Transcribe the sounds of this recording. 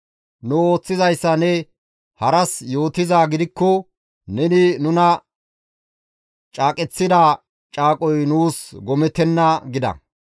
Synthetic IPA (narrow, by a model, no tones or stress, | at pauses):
nʊo̞ːt͡sːɪzɐjsːɐnɛ | hɐɾɐsjo̞ːt̪ɪzaːɡɪd̪ɪkːɔ | nɛnɪnʊnɐ | t͡ʃʼaːkʼɛt͡sːɪd̪aː | t͡ʃʼaːkʼɔjnuːsɡɔmɛt̪ɛnːɐɡɪd̪ɐ̰